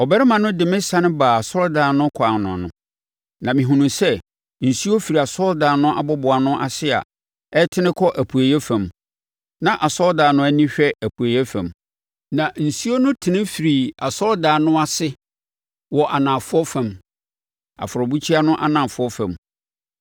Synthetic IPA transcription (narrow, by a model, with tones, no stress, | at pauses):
ɔ˨bɛ˦ɾɪ˦mã˨nʊ̃˦dɪ˨mɪ̃˦sã˦nɪ̃˦baː˨a˨sɔ˦ldaː˨nʊ̃˦kʰa˨nʊ̰̃˨nʊ̃˨ | nã˨mĩ˨ɦũ˨nũ˨sɛ˦ | n̩˨su˦o˦fi˨ɾi˨a˨sɔ˦ldaː˨nʊ̃˦ʔa̰˦˨bɔ˦bʊ˨a˨nʊ̃˦ʔa˨sɪ˦a̰˨ | ɛ˦tʰɪ˦nɪ̃˦kʰɔ˦ʔæ˨pʰu˨æ˨jɛ˦fã˨m | nã˨ʔa˨sɔ˦ldaː˨nʊ̃˦æ˦nĩ˦ɕᶣɛ˦æ˨pʰu˨æ˨jɛ˦fæ̰̃˨m | nã˨n̩˨su˦o˦nʊ̃˦tʰɪ˨nɪ̃˦fi˨ɾi˨a˨sɔ˦ldaː˨nʊ̃˦a˨sɪ˦ | wɔ˨ʔa˨nã˨fʊ˦ɔ˦fã˨m | a̰˨fʊ˨ɾɔ˨bu˦t͡ɕʰi˦a˦nʊ̃˦ʔa̰˦nã˨fʊ˦ɔ˦fã˨m